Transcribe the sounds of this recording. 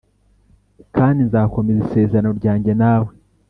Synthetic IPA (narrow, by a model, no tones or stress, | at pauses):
kaːndinzaːko̞mezise̞ːzaano̞ɾɟaːɲɟe̞naːwe̞